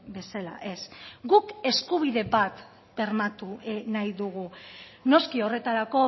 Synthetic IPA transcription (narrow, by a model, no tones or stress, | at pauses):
be̞sala̰ʔe̞sɡuke̞skuβ̞iðe̞bat̪ | b̥e̞ɾmat̪unajðuɣ̞uno̞skio̞re̞t̪aɾako̞